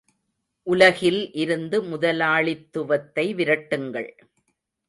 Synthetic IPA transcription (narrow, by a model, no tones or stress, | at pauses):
ʔʊlɐɣɪlʔɪɾɯnd̪ɯmʊðɐlaːɭɪt̪ːɯʋɐt̪ːɐɪʋɪɾɐʈːɯŋɡɐ̰ɭ